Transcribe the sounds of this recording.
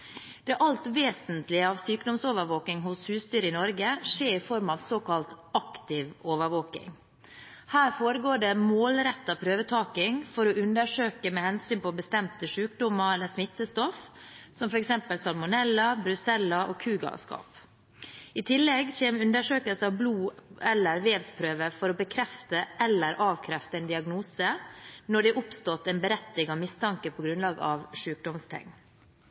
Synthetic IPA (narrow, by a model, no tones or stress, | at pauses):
d̪̥ɛʔɑlt̪ʋeːsənt̪lɪəɑʋsyːkd̪ɔmsoːʋəɾʋoːknɪŋɦʊshʉːst̪yːɾəɪnɔɾɡəʂeːɾɪfɔɾmɑʋsoːkɑlt̪ɑkt̪ɪʋoːʋəɾʋoːkɪ̰ŋ | hæːɾfoːɾəɡoːɖɛmoːlɾɛt̪ːɑpʰɾøːʋət̪ʰɑːkɪŋfɔɾɔʉnd̪əʂøːkəmɛhɛnsyːnpɔbəst̪ɛmt̪əʂʉːkd̪ʊmːəɛlːəsmɪt̪ːəst̪ɔfsɔmfɔɾɛksɛmpəlsɑlmʊnɛlːɑbɾʉsɛlːɑʔoːkʰʉːɡɑ̰skɑ̰ːp | ɪt̪ʰɪlːɛɡçeːmʉnd̪əʂøːkəlsəɑʋbluːʔɛlːəɾʋeːlspʰɾøːʋəɾfɔɾɔbəkʰɾɛft̪əʔɛlːəɾʔɑːʋkʰɾɛft̪əɛɪnd̪ɪɑɡnuːsənɔɖɛʔʊpst̪ɔt̪ːɛnbəɾɛt̪ːɪŋɑʋmɪst̪ʰɑŋkəpʰɔɡɾʉnlɑːɡə̰ɑʋʂʉːk̚d̪ɔmst̪ʰɛ̰ŋ